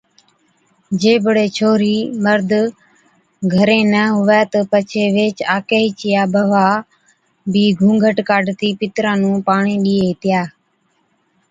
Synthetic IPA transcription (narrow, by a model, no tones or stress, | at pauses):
d͡ʒeːbəɽeːt͡ʃʰoːɾiːməɾd̪ʱ | ɡʱəɾeːnəɦʊʋɛːt̪əpət͡ʃʰeːʋeːt͡ʃaːkeːɦit͡ʃɪjaːbʱəʋaː | biːɡʱũːɡʱəʈkaːɖt̪iːpɪt̪ɾãːnũːpaːɳiːɗiːeːt̪ɪjaː